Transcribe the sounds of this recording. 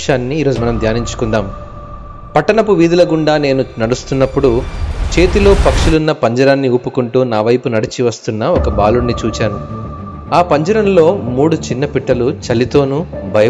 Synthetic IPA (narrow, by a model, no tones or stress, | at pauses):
aːnːiːɾoːd͡ʒumɐnɐmd̪ʱjaːniɲt͡ʃu̥kund̪aːm | pɐʈːɐnɐpuʋiːd̪ulɐɡuɳɖaːne̞ːnunɐɽust̪unːɐpːuɽut͡ʃe̞ːt̪ilo̞ːpɐkʂulunːɐpɐɲd͡ʒɐɾaːnːiupːukuɳʈuːnaːʋɐjpunɐɽit͡ʃiʋɐst̪unːɐɔkɐbaːluɳːit͡ʃuːt͡ʃaːnu | aːpɐɲd͡ʒɐɾɐmlo̞ːmuːɽut͡ʃinːɐpiʈːɐlut͡ʃɐlit̪o̞ːnubʱɐjɐ